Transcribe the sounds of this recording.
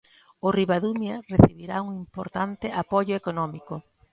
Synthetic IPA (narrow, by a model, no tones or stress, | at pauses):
ʊriβaðumjareθiβiɾauŋimpoɾt̪ant̪ɪʔapoʎʊekonɔmiko